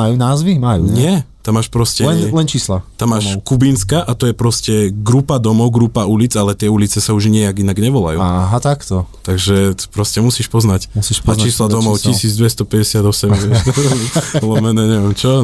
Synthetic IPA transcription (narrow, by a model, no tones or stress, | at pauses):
ajuːnaːzʋimajṵɲɪɛt̪amːaːʃpɾɔscɛlɛnlɛnt͡ʃiːslat̪amːaːʃkubinskaʔat̪ɔjɛpɾɔscɛɡɾupad̪ɔmɔʊɡɾupaulid͡zalɛt̪ɪɛulit͡sɛsauʒɲɪɛjaɡinaɡɲɛʋɔla̰j̰ɦat̪akt̪ɔt̪aɡʒɛt̪pɾɔscɛmusiːʃpɔznacmusiʃat͡ʃaiːslad̪ɔmɔʊcisiːd͡zd̪ʋɛst̪ɔpɛɟɛsɪad̪ɔsɛmɛʃɔlɔmɛnɛɲɛʋɛmt͡ʃɔ